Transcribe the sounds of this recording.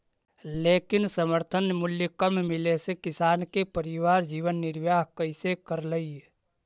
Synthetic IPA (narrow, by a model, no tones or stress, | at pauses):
leːkɪnsəməɾt̪ʰənmʊljəkəmmɪlesekɪsaːnkepəɾɪʋaːɾd͡ʒiːʋənːɪɾʋjaːɦkəɪsekəɾləi